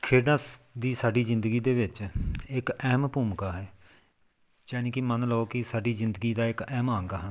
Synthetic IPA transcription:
kʰeːɖãːd̪iːsaːɖiːzɪ̃nd̪əɡiːd̪eːʋɪt͡ʃɪkɛːmpuːmkaːɦɛː | t͡ʃɛːnẽːkɪmənlɔoːkɪsaːɖiːzɪ̃nd̪əɡiːd̪aːɪkɛːmaːŋɡaːɦən

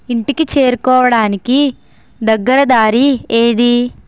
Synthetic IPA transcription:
iɳʈikit͡ʃe̞ːɾukɔːʋɐɽaːniki | d̪ɐɡːɐɾɐd̪aːɾieːd̪i

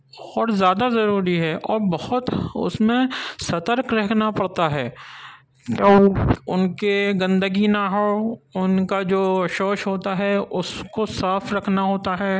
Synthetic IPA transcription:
ɔːɾzjaːd̪azɐɾuːɾiɦɛʔɔːɾbɐhʊt̪ʊ̰smẽsɐt̪əɾkɾɛɦkʰnapɐɽt̪aɦɛː | kõʊnkeɡɐ̃nd̪əɡinaɦoʊnkad͡ʒoːʃoːʃɦoːt̪aɦɛʊskosaːfɾɐkʰnaɦoːt̪aɦɛː

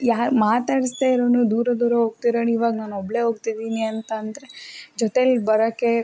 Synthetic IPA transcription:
jaːmaːt̪aːɽist̪aːjiɾoːnud̪uːɾɐd̪uːɾɐɦoːɡ̚t̪iɾoːniʋaːɡɐnaːnɔbɭe̞ɦoːɡt̪id̪iːniɐnt̪ɐːnd̪ɐɾe̞d͡ʒɔt̪elbɐɾɐkːe̞

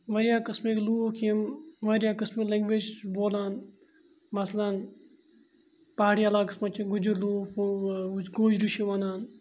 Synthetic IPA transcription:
ʋɐɾjaːkɐsmekluːkʰimʋɐɾjaːkɐsmeleŋɡʋed͡ʒboːlaːn | mɐslan | paːɽijalaːkɐsmɐt͡ʃʰiɡud͡ʒiɾluːf | ɡoːd͡ʒɾuʃiʋɐnaːn

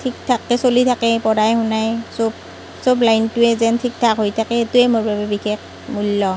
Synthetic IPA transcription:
tʰik̚tʰakːɛsolitʰakɛpɔdajhʊnajsob̚ | soblajntʊɛzɛntʰik̚tʰakɦojtʰakɛetuɛmoɹbabɛbixʰex | mulːɔ

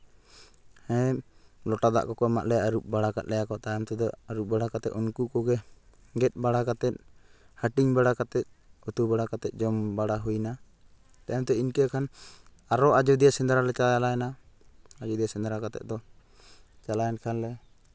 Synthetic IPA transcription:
hɛ̃lɔʈad̪a̰ʔkɔkɔama̰ʔ̪lɛaɾuʔbaɽakat̪̚lɛjakɔt̪ajamt̪ɛd̪ɔaɾuʔ̚baɽakat̪ɛt̪ɔnkukɔɡɛ | ɡɛt̪̚ˀbaɽakat̪ɛt̪̚ˀ | həʈiŋbaɽakat̪ɛt̪̚ | ɔt̪ubaɽakat̪ɛt̪̚ˀd͡ʒɔmbaɽaɦujna | t̪ajamt̪ɛinkɛkʰan | aɾɔʔad͡ʒud̪ijasɛnd̪aɾalɛt͡ʃajalajana | ad͡ʒɔd̪ijasɛnd̪aɾakat̪ɛ̰t̪̚d̪ɔ | t͡ʃalajankʰanlɛ

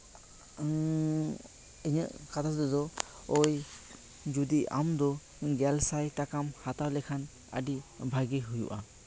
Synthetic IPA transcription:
iɲəʔkat̪ʰad̪ɔd̪ɔ | ɔj | d͡ʒud̪ia̰md̪ɔ | ɡɛlsajtakamhat̪awlɛkʰan | a̰ɖibʱaɡiɦujṵʔa

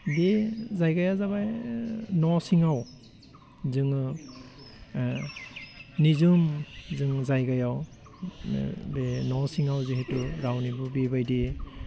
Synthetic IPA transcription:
bezajɡajazabajnɔsiŋaw | zɯŋɯ | nizɯmzɯŋzajɡajaw | benɔsiŋawzihetuɾawnibubebajdi

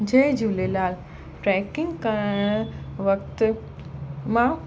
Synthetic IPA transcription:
d͡ʑẽɦd͡ʑuːlelaːl | ʈɾɛːkɪ̃ŋɡkəɾɽ̃ʋɐkt̪ | mã

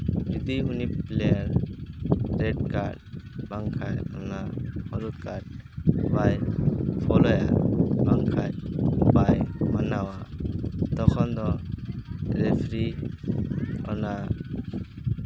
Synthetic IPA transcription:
ɾid̪iunippleaɾ | ɾɛdka̰ɾd̚b̥aŋkʰajɔ̰nahɔɾut̪̚kʰaɾd̚bajpʰɔlɔja̰baŋkʰajbajmanawa | t̪ɔkʰɔnd̪ɔ | ɾepʰɾi | ɔ̰na

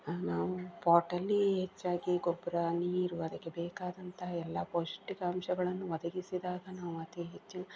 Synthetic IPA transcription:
naːʋupaːɾʈɐlːiɦet͡ʃːaːɡiɡɔbɐɾaniːɾuɐd̪ɐkːebɛːkaːd̪ɐnt̪ʰɐɛlːɐpoːsʈikɐɐmʃɐɡɐɭɐnːuʋɐd̪ɐɡisid̪aːɡɐnaːʋuɐt̪iɦet͡ʃːinɐ

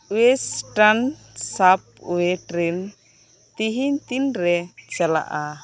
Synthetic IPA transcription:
wesʈan | sap̚ɛʈɾin | t̪iɦiɲt̪inɾɛt͡ʃala̰ʔa

